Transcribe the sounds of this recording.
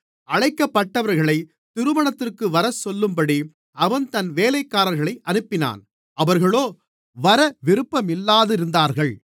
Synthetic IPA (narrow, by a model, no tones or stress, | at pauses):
ɐɻɐɪkːɐpːɐʈːɐʋɐɾɣɐɭɐɪ | t̪ɪɾɯmɐɳɐt̪ːɪrkɯʋɐɾɐsɔlːɯmpɐɽi | ɐʋɐnt̪ɐnʋeːlɐɪkːaːɾɐɾɣɐɭɐɪʔɐnɯpːɪna̰ːn | ɐʋɐɾɣɐɭoː | ʋɐɾɐʋɪɾɯpːɐmɪlːaːðɪɾɯnd̪aːɾɣɐɭ